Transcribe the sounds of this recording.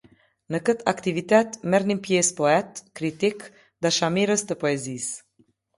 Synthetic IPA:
nəkət̪a̰kt̪ivit̪ɛt̪mɛɾnimpjespoɛt̪kɾit̪ik | d̪aʃamiɾəst̪əpoezis

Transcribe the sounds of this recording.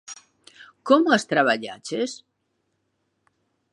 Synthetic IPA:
komʊast̪ɾaβaʎa̰t͡ʃes

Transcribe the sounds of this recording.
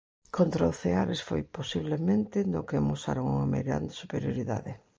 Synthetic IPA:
kʰont̪ɾaoθeaɾɪsfo̰jposiβ̞lemẽnt̪ɪnʊkemusa̰ɾoŋuŋɐmḛɣɾa̰nd̪esupeɾjoɾiða̰ðɪ

